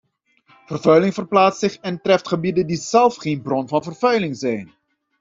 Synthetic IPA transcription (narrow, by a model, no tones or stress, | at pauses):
vərvœɥlɪŋvərplaːtsɪχɛntrɛftχəbidəndizɛlˠfχeːnbrɔnvɑnvərvœɥlɪŋzɛjn